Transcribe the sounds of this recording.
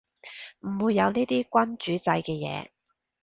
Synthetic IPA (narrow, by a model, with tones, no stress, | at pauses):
m̩˨˩wuː˨˧jːɐ˨˧wniː˥t̪iː˥kʷɐ˥nt͡ʃyː˨˥t͡sɐ˧jkɛː˧jɛ̰ː˨˧